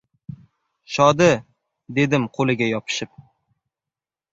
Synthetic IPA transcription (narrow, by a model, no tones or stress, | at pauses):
ʃɒd̪ɪ | d̪e̞d̪ɪmqʰolˠɪɡʲajɒpʰɪ̥ʃɪp̚